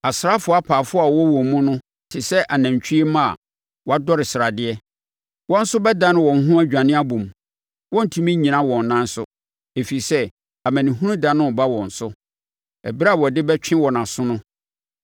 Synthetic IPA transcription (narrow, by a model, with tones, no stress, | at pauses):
a˨sɾa˦fʊ˨˦a˦pʰaː˨fʊ˦a˨wɔ˦wɔ̃˨mũ˦nʊ̃˦ | tʰɪ˨sɛ˦ʔa˨næ̃˨ɲ˨t͡ɕʰᶣi˦e˦mã˦a̰˨ | wɔ˦a˦dɔ˦ɾɪ˨sɪ˨ɾa˨dɪ˦ɛ˦ | wɔ̃˦n̩˦sʊ˦bɛ˦dã˦nɪ̃˦wɔ̃˨n˨ɦũ˦æ˦d͡ʑᶣã˨nɪ̃˦a˦bũ˨m˨ | wɔ̃˦n̩˨tʰũ˦mĩ˦ɲĩ˨nã˦wɔ̃˨nː˨ã˦n̩˦sʊ˨ | e˨fi˨i˨sɛ˦ | a˨mæ̃˨nɪ̃˨ɦũ˦nũ˦dã˨nʊ̃˦˨ba˦wɔ̃˨n̩˨sʊ˦ | ɛ˨bɾa˦˨wɔ˨dɪ˦bɛ˦t͡ɕᶣʰɪ̃˦wɔ˨nã˨sʊ̃˦nʊ̃˦